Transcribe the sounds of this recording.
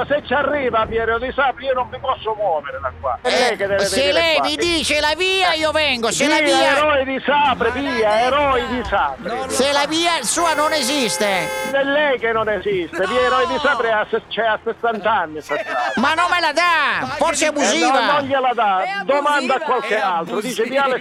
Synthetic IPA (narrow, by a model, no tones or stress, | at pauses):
set͡ʃːarːiːvaːvjɛːɾjod̪isaːpɾɪiːonoɱvipɔsːʊmwɔːveɾed̪akwa̰ɛlːɛjked̪ɛvɛselɛjmid̪iːt͡ʃelaviːaiːovɛŋɡoselaiːaɛɾɔid̪isaːpɾɪviːaɛɾɔid̪isaːpɾɪselaviːasuːanonɛzist̪eɛlːɛjkenːonɛzist̪eviːaɛɾɔjd̪isaːpɾiaset͡ʃɛasːesːant̪anːisɛt̪ːamanːomːelad̪afɔrseabuziːvanoɲʎelad̪ad̪omand̪akːwalkealt̪ɾod̪iːt͡ʃeviːale